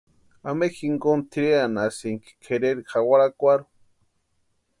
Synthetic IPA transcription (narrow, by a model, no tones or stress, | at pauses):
amexiŋɡont̪ʰiɾeanasiŋki̥kʰeɾeɾixawaɾakʷaɾu̥